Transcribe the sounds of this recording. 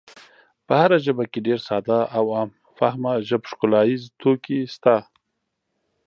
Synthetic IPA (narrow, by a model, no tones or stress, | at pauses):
pəhaɾaʒəbakeɖeɾsɑd̪aʔawam | fahmaʒəbʃkʊlɑjizt̪okist̪a